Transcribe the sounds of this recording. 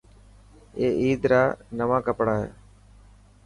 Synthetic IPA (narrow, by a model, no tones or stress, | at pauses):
eːʔiːd̪ɾaːnəʋãːkəpɽaːɦḛː